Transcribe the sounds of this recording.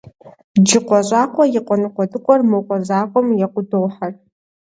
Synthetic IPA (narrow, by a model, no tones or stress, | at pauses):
d͡ʒɪqʷɔɕʼaːqʷɔjɪqʷʼɔnɨqʷɔdɨqʷʼɔrmɨwqʷʼɔzaːqʷʼɔmjɛqʷʊdowħɐr